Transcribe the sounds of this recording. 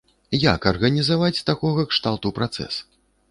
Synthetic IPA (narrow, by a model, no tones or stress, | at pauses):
jakɐrɣɐnʲizavat͡sʲt̪akɔɣɐkʂt̪alˠt̪upɾat̪sɛ̰s